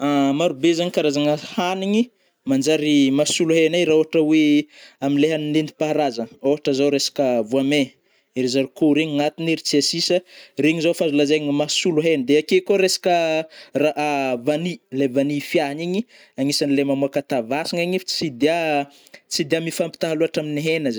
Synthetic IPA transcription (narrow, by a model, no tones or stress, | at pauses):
amaɾubezaɲikaɾazaŋəhaniɲi | mand͡ʒaɾimasuluɦenajɾaoɦaʈ͡ʂəweaminleɦaninend̪i̥paɦɾazəoɦaʈ͡ʂəzawɾesḁkəvuame | iɾizaɾukoɾeɲŋat̪iniɾit͡siasisəriɲizofazulazaɲmasuluɦenəd̪eakekoɾesḁkəraavanilevanifjaɦaniɲi | aŋisanilemamuakat̪avasiŋaɲift͡sid̪ea | t͡sid̪eamifampi̥t̪aɦaluaʈ͡ʂaminiɦenəz